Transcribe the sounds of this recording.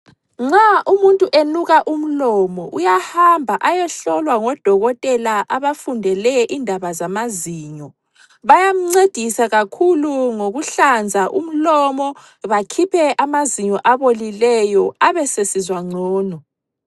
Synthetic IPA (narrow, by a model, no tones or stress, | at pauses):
ŋ͡ǀaʔumuntʼuʔenuɣaʔum̩lɔmɔʔujahambʱaʔajɛɬɔlwaŋɔd̥ʱɔɣɔtʼɛlaʔaβafundʱɛlɛʔindʱaβazamaziːɲɔ | βajam̩ŋ͡ǀed̥ʱisaɣakʰuluŋoɣuɬand͡zʱaʔṵm̩lɔmɔ | βakʰipʰɛʔamaziɲɔʔaβolilɛjɔaβɛsesizwaŋ͡ǀʱɔːnɔ